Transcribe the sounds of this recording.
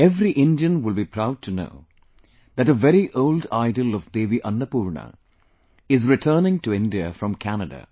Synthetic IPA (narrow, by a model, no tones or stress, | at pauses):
ɛvɾiʔɪ̃nɖiə̃nʋɪlbipʰɾaʊɖ̚ʈʰuno̰ː | d̪æʈəʋɛɾiʔoʊlɖaɪɖəlɔvd̪eːʋiʔʌ̃nːəpuːɾɳə̰ | ɪzɾɪʈʰəːnɪ̃ŋʈuɪ̃ndiə̰fɾɔ̃mkʰænədə̰